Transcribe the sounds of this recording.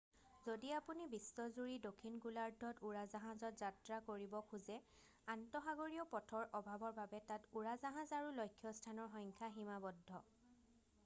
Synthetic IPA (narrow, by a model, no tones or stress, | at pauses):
zodiapunibisːɔzuɹidokʰːinɡulaɹdʱɔtuɹazaɦãzɔtzatɹakoɹibɔkʰuzɛ | antɔxaɡoɹiɔpɔtʰɔɹʔɔbʱabɔɹbabɛtatuɹazaɦãzaɹulojkʰːjɔstʰanɔɹxɔŋkʰaɦimabɔdʱːɔ